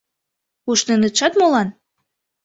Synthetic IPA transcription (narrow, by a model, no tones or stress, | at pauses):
uʃnenət̪ʃɑt̪molɑn